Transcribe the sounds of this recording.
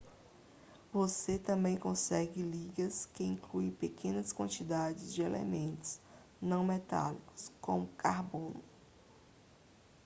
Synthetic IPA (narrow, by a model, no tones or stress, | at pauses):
voset̪ɐ̃bẽj̃kõsɛɡɪliɡɐskɪĩŋkluĩpekʰẽnɐskwɐ̃nt͡ʃid̪ad͡ʒɪzd͡ʒɪelḛmẽnt̪ʊ̥z̥ | nɐ̃w̃mɛt̪a̰likʊ̥skõmʊkaɾbõnʊ